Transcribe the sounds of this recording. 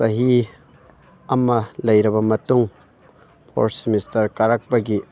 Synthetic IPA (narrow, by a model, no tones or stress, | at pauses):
sɐɦi | ɐmɐlɐjɾɐbɐmɐtuŋ | pʰo̰ɾsimistɐɾkɐɾɐk̚bɐɡi